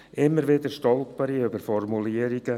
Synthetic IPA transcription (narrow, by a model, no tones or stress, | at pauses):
ʔɪmːəɾʋɪd̪əɾʃtɔlˠtb̥ɑːɾiybəɾfɔrmuliəɾiɡ̥ə